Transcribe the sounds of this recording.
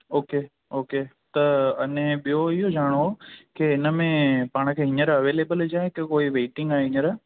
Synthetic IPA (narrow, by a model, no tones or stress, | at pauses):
oːke | oːkeː | t̪ɐɐnẽɓijoɪɦod͡ʑaːɽ̃ookeɪnəmẽpaːɽ̃ə̆kʰeːɦɪ̃ɲəɾɐʋeːleːbəld͡ʑaːɦekɪkoːiʋeːʈɪ̃ŋɡaːɦeɦɪ̃ɲəɾ